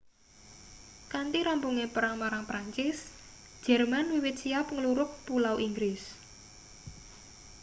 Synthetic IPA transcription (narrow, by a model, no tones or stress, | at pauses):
kant̪iɾampuŋepəɾaŋmaɾaŋpɾaɲt͡ʃɪs | d̥d͡ʒʒ̥ɛrmanwiwɪt̪̚sijapŋəluɾʊk̚pulawʔiŋɡɾɪs